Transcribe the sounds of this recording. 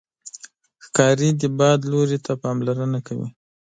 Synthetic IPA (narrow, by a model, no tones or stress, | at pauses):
xkɑɾid̪əbɑd̪loɾit̪ʰapɑmlaɾənakawḭ